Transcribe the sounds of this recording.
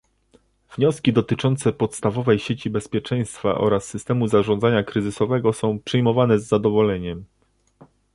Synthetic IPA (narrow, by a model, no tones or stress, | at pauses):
vɲɔskʲid̪ɔt̪ɘt͡ʂɔnt̪sɛpɔt̪st̪avɔvɛjɕet͡ɕibɛspʲjɛt͡ʂɛj̃st̪fa̰ʔɔ̰ɾasːɘst̪ɛmuzaʐɔnd̪zaɲakɾɘzɘsɔvɛɡɔsɔ̃w̃pʂɘjmɔvanɛzːad̪ɔvɔlɛɲɛm